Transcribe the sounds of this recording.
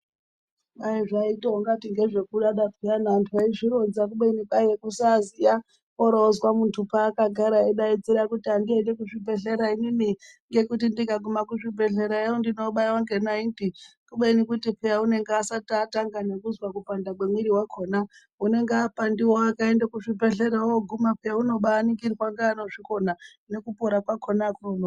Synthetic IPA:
aiʐaiteoŋɡatiŋɡe̞ʐe̞kuɗaɗapʰejanaːntʰuaiʐiɾo̞d͡zak̬uɓeniɓaekusazija | koɾoozwamuntʰupaːkaɡʱaɾaeɗaid͡ziɾakutiandiendekuʐibʱe̞ɬe̞ɾaimini | ŋɡe̞kutindikaɡumakuʐibʱe̞ɬeɾaeondino̞ɓaiwaŋɡenaindikuɓenikutipejaune̞ŋɡeasatataŋɡanekuzwakupandakwemwiɾiwakʰo̞na | une̞ŋɡeapandiwoakaendekuʐibeɬeɾaoɡʱumapejauno̞ɓaːniŋɡiriwaŋɡaːnoʐikona | nekupoɾakwakʰonakurono

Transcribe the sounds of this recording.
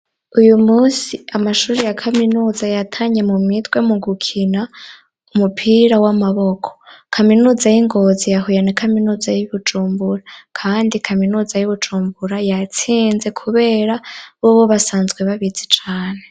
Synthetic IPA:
ujumuːsiamaʃuːɾijakʰaminuːzajatʰaːɲe̞mumitwe̞muɡukʰina | umupʰiɾawamaβo̞kʰokʰaminuːzajiŋɡo̞zijaɦujenekaminuzajiβud͡ʒuːmbuɾakʰaːndikʰaminuːzajuβud͡ʒuːmbuɾajat͡siːnze̞kʰuβe̞ːɾaβoβoβasaːnzɡwe̞βaβit͡si̥t͡ʃaːne

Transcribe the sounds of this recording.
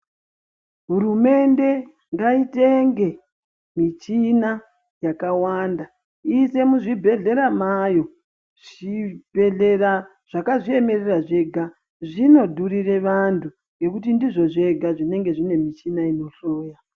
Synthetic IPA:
ɦurume̞nde̞ | ŋɡaite̞ŋɡe̞ | mit͡ʃina | jakawanda | ise̞muʐibʱe̞ɮe̞ɾamajo̞ | ʐ̥ibʱeɮera | ʐ̥akaʐie̞me̞reraʐe̞ɡʱa | ʐino̞dʱurire̞ʋantʰu | ŋɡe̞kutindiʐo̞ʐe̞ɡʱaʐine̞ŋɡe̞ʐine̞mit͡ʃinaino̞ɬoːja

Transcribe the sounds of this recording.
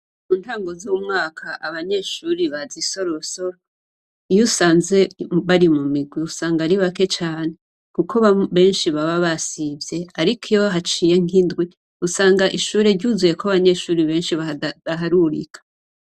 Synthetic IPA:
muːntaːŋɡo̞zumŋaːkʰaʔaβaɲe̞ːʃuːɾiβaziso̞ɾoɾuso̞ɾ | jusaːnze̞βaɾimumiɡwiusaːŋɡaɾiβake̞t͡ʃaːn̥e | kukʰoβaβe̞ːnʃiβaβaβasivje̞aɾikʰijo̞ɦat͡ʃije̞ŋ̥indɡwi | usaːŋɡaʔiʃuːɾe̞ɾɟuzuje̞koaβaɲe̞ːʃuːɾiβe̞ːnʃiadaɦaɾuɾḭkʰḁ

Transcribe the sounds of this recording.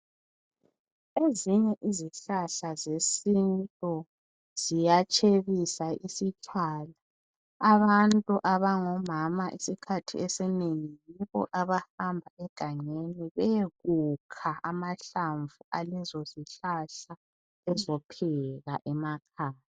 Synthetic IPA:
eziɲɛʔiziɬaɬazesintʼɔ | z̥ijat͡ʃʼʰeɣisaʔisit͡ʃʼaːla | aβantʼuʔaβaŋɔmamaʔisikʰatʰḭɛsɛneŋijiβɔ̰ʔaβahambʱaɛɡ̥ʱaŋeniβɛɣukʰaʔamaɬaɱvuʔalɛzɔziɬaɬa | ɛzɔpʰɛɣa̰ʔɛmakʰaːjaa

